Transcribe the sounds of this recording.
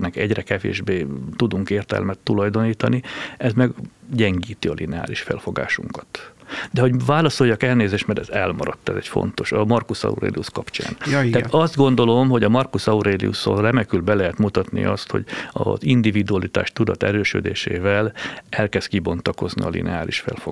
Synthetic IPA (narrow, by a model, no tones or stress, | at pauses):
nɛkɛɟrɛkɛvḛːʒbeːt̪ud̪uŋkeːrt̪ɛ̰lmɛt̪ːulɒjd̪o̞niːt̪ɒniɛzmɛɡɟɛŋɡiːt̪iɒlʔinɛa̰ːliʃfɛ̰lfo̞ɡa̰ːʃuŋkɒt̪d̪ɛɦo̞ɟvaːlɒso̞jːɒkɛlneːzeːʃt̪mɛɾɛzɛlmɒɾɒt̪ːɛzɛcfo̰nt̪o̞ʃɒmɒrkusɒ̰ṵɾḛːliuskɒpt͡ʃa̰ːnt̪ɛːt̪ɒzd̪ɡo̞nd̪o̞lo̞mɦo̞ɟɒmɒrkusɒuɾeːlḭṵsorɛmɛkylbɛlɛɦɛt̪mut̪ɒt̪nḭʔɒst̪ho̰ɟɒ̰zind̪ivid̪uɒlit̪a̰ːʃt̪ud̪ɒt̪ɛɾøːʃø̰d̪eːʃeːvɛlɛlkɛst̪̚kibo̞nt̪ɒko̞znḭɒlḭnɛaːliʃfɛ̰lfo